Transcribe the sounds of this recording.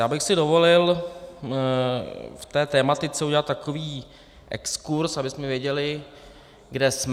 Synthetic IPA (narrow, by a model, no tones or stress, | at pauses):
jaːbɪxsɪdovo̞lɪl | ft̪ɛːt̪ɛːmat̪ɪt͡sɛuɟɛlat̪t̪ːakoviː | ʔɛ̰kskuɾsabɪsmɛvjɛɟɛlɪ | ɡdɛsm